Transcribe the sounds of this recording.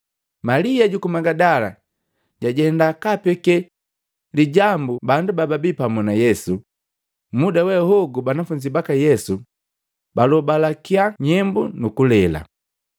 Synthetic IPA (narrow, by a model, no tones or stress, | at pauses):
maliaɟukumaɡadala̰ | ɟaɟɛndakapɛkɛ | liɟambubandubababipamunajɛsu | mudawɛhɔɡubanafuɲd͡ʒibakajɛsu | balɔbalakiaɲɛmbunukulɛla̰